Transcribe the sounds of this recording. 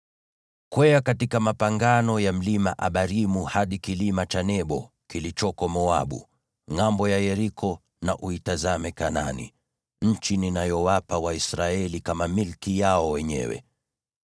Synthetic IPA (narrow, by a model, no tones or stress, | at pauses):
kwɛakatikamapaŋɡanɔjam̩limaʔaɓaɾimuhaɗikilimat͡ʃanɛɓɔ | kilit͡ʃɔkɔmɔa̰ɓṵ | ŋambɔjajɛɾikʰɔ | naʔuitazamɛkana̰nḭ | ɲ̩t͡ʃininajɔwapawaisɾaɛlikamamilkijaɔwɛɲɛ̰wɛ̰